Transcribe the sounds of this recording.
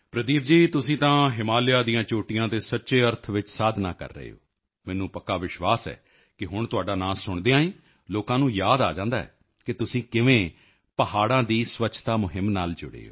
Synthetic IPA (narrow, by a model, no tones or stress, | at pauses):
pɾəd̪iːp̚d͡ʒiːt̪ʊsĩːt̪ãːɦɪmaːljaːd̪ijãːt͡ʃoːʈijãːt̪eːsətːʃeːəɾt̪ʰʋɪt͡ʃsaːd̪ʱna̰ːkə̰ɾːə̰ḛo̰ː | mɛ̃ːnũːpəkːaːʋɪʃʋaːsɛ̰ː | kɪɦʊɳt̪ʊaːɖaːnaːlsʊɳd̪eːãːĩː | loːkãːnũːjaːd̪a̰ːd͡ʒãːnd̪a̰ːɛ̰ː | kɪt̪ʊsĩːkɪʋẽː | pəɦaːɽãːd̪iːsʋəːt͡ʃʰt̪aːmʊɦɪmnaːld͡ʒʊɽḛːo̰ː